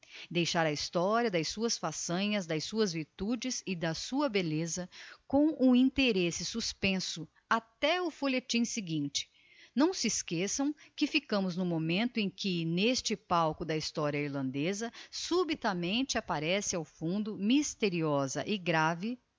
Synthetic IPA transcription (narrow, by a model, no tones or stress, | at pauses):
d̪ejʃaɾɐist̪ɔɾiɐd̪ɐjsuɐsfasɐ̃ɲɐzd̪ɐjsuɐzviɾt̪ud͡ʒɪzɪd̪ɐsuɐbelezɐkõw̃ʊĩt̪eɾesɪsuspẽsʊ | at̪ɛʊfolet͡ʃĩsɪɡĩnt͡ʃɪ̥ | nɐ̃w̃sɪskesɐ̃w̃kɪfikɐ̃mʊznʊmomẽnt̪ʊẽj̃kɪnest͡ʃɪpawkʊd̪ɐist̪ɔɾiɐiɾlɐ̃nd̪ezɐsubit̪ɐmẽnt͡ʃɪapaɾɛsɪawfũnd̪ʊmist̪eɾiɔzɐ̰ʔɪɡɾavɪ